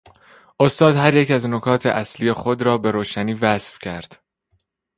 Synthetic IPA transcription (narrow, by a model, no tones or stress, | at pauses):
ʔo̞st̪ɒːd̪̥hæɾjecæznokʰɒːt̪ʰḛʔæsliːje̞xo̞d̪ɾɒːbe̞ɾoːʃæniːvæsfcʰæɾd̪̥